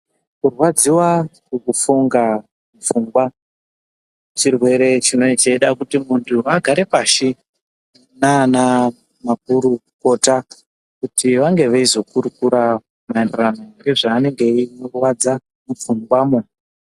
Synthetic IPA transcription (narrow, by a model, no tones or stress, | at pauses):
kurwad͡ziwakukufuŋɡa | mufuŋɡwa | t͡ʃirwe̞ɾe̞t͡ʃino̞it͡ʃeiɗakutimuntʰuaɡʱaɾe̞paʃi | naːna | makuɾuko̞ta | kutiʋaŋɡe̞ʋeizo̞kuɾukuɾa | maenderanoŋɡe̞ʐaːne̞ŋɡe̞inorwad͡za | mufuŋɡwamunu